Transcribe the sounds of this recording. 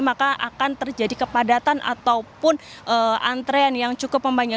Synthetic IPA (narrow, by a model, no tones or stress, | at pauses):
makaʔakant̪ərd͡ʒadikəpadat̪anʔa̰t̪aupʊn | ʔəʔant̪ɾeanjaŋt͡ʃukʊpːəmbaɲa